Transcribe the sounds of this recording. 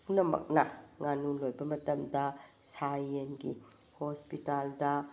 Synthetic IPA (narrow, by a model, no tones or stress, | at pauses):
punɐmɐ̰k̚nɐŋanulojbɐmɐtɐmdɐsajenɡḭ | hospitaldɐ